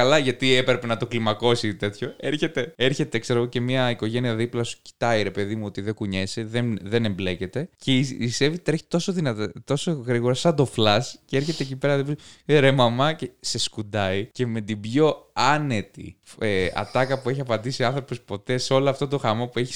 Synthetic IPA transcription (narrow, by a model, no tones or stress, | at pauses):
kɐlɐʝɐt̪iepɾepe̞nɐt̪o̞klimɐko̞sit̪e̞t̪ço̞eɾçe̞t̪e̞e̞ɾçe̞t̪ekse̞ɾoɣoce̞miɐiko̞ʝe̞niɐðiplɐsu̥ci̥t̪ɐiɾe̞pe̞ðimuo̞t̪iðekuɲe̞seðenðe̞nemble̞ce̞t̪e̞ceise̞vit̪ɾeçit̪o̞soðinɐt̪ɐt̪o̞soɣɾiɣo̞ɾɐsɐnd̪o̞flɐscee̞ɾçe̞t̪eːcipe̞ɾɐðipsieɾemɐmɐcese̞skud̪ɐice̞me̞t̪ibʝo̞ɐne̞t̪ḭeɐ̰t̪ɐkɐpue̞çiɐpɐnd̪isiɐnθɾo̞po̞spo̞t̪e̞seo̞loɐft̪o̞t̪o̞xɐmo̞pueçi̥